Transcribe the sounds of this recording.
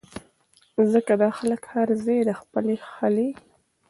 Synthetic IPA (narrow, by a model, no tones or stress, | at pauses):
zəkad̪ɑxaləkhaɾzejd̪əxpəlexəle